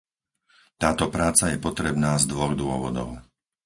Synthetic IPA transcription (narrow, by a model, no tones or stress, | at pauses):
t̪aːt̪ɔpɾaːt͡sajɛpɔt̪ɾɛbnaːzd̪ʋɔɣd̪ʊɔʋɔ̰d̪ɔ̰ʊ